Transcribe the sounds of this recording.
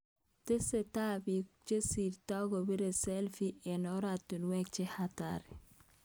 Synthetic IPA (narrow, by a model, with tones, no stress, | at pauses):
te˦se˨ta˦bi˨t͡ʃe˦si˨ɾta˦ɡo˨bi˦ɾe˨sɛ˦lfi˦ɛ˨nɔ˦ɾatu˨nwɛ˦k̚t͡ʃe˦hata̰ɾi˨